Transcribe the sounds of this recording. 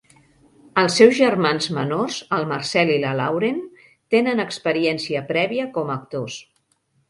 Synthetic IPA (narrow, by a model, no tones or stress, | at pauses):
əlˠsːɛwzʒərmanzmənorzəlˠmərsɛliləlawɾen | t̪enənəkspəɾiɛnsiəpɾɛβiəkɔməːk̚t̪os